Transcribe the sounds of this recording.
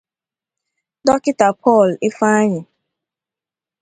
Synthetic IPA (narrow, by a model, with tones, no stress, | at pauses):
dɔ˦kɪ˦ta˨pʰɔ˦˨lɪ˦fa˦a˦ɲɪ˨